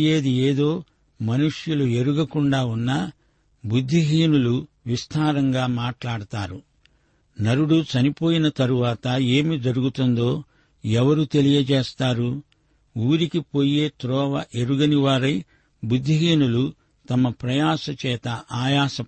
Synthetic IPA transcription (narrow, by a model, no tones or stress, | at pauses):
je̞ːd̪ieːd̪o̞ː | mɐnuʂjulue̞ɾuɡɐkuɳɖaːunːɐ | bud̪ʱːiɦiːnulu | ʋist̪ʰaːɾɐŋɡaːmaːʈlaːɽut̪aːɾu | nɐɾuɽut͡ʃɐnipo̞ːjinɐt̪ɐɾuʋaːt̪ɐe̞ːmid͡ʒɐɾuɡut̪und̪o̞ː | ɛʋɐɾut̪e̞lijɐd͡ʒɛːst̪aːɾu | uːɾikipo̞ːje̞ːt̪ɾɔːʋɐʔe̞ɾuɡɐniʋaːɾɐj | bud̪ʱːiɦiːnulu | t̪ɐmɐpɾɐjaːsɐt͡ʃɛːt̪ɐʔaːjaːsɐ